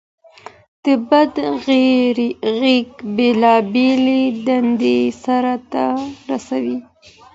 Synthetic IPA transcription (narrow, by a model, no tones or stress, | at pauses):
d̪̥əbad̪ | ɾɣekbelɑbeled̪and̪esaɾat̪aɾasawi